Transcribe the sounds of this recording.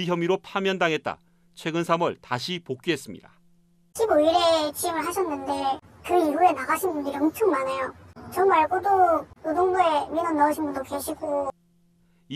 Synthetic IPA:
içjʌmiɾopʰamjʌndaŋɦe̞t̚t͈a̰ | t͡ɕʰwe̞ɡɯnsʰamɯɭtaɕʰipok̚k͈iɦes͈ɯmɲḭda | ɕʰiboiɾe̞t͡ɕimɯɭɦaɕʰʌnːɯnde̞ | kɯiɾue̞naɡaɕʰinbundiɾiʌmt͡ɕʰʌŋmanejot͡ɕʌŋmaɭɡodododoŋboe̞minʌnnːʌɯɕʰinbundopeɕʰiɡo

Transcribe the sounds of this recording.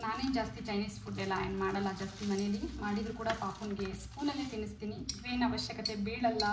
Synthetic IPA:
naːneːd͡ʒaːst̪it͡ʃɐjniːspʰuʈɖelaːjɐnmaːɽɐlːɐd͡ʒaːst̪imɐnejɐlːimaːɽid̪ɾukuːɽapaːpunɡeskuːlɐlːiʈ̪inːist̪iːniiʋeːnɐʋɐʃjɐkɐt̪e̞biːɭɐlːɐ

